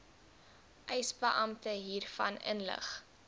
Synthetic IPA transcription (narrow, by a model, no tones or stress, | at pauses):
ʔɛjsbəʔɐmtəɦiːrfɐnə̰nlə̰χ